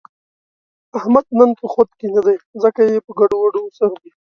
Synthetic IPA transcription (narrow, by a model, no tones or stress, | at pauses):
ahmad̪̚nənpəxot̪kenad̪ajzəkajepəɡaɖowaɽosaɾd̪i